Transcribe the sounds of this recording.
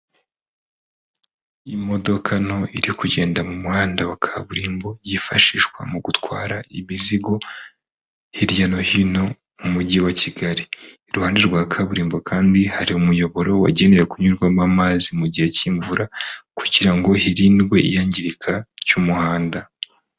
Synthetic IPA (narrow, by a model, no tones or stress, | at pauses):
imo̞do̞kʰano̞iɾikuɟe̞ːndamumuhaːndawakʰaβuɾiːmbo̞jifaʃiːʃkwa̰muɡutwaːɾaimiziɡo̞ | hiɾjano̞hino̞ | mumuɟiwaciɡaɾiː | ɾuhaːndeɾɡwaːkʰaβuɾiːmbo̞kʰaːndihaɾiumujo̞βo̞ɾo̞wa̰ɟe̞ne̞ɾekuɲuɾɡwamamazimuɟihe̞ciːɱvuɾʔaku̥ɟiɾaŋɡo̞hiɾiːnɡwe̞ijaːɲɟiɾikʰacumuhaːnda